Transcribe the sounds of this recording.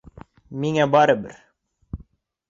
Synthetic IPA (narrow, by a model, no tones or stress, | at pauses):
miŋæbɑɾəbɘ̰ɾ